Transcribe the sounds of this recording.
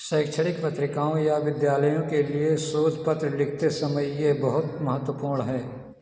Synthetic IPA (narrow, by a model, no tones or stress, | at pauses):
sɛːkt͡ʃʰəɽɪkpɐt̪ɾɪkaːõjaʋɪd̪jaːləjõkeliesoːd͡ʒpət̪ɾəlɪkʰt̪esɐməjːebɐɦʊt̪mɐɦət̪ːwəpuːɾɳɦɛː